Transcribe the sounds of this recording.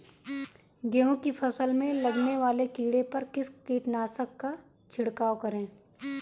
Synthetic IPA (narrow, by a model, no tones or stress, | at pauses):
ɡeõkipʰɐsəlmẽlɐɡneʋaːlekiːɽepɐɾkɪskiːʈnaːsəkːa | t͡ʃʰɪɽkaːwkɐɾẽː